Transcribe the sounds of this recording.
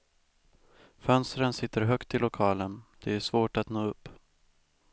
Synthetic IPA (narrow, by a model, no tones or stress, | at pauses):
fœnst̪ɾənsɪt̪ːəɾɦœkt̪ɪlʊkʰɑːlənd̪̥ɛæʂvoːʈat̪noːɵpː